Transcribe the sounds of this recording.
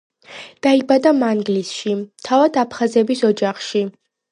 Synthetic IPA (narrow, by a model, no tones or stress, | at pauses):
d̪̥aibad̪amaŋɡlisʃit̪ʰavad̪apʰχazɛbisɔd͡ʒaχʃi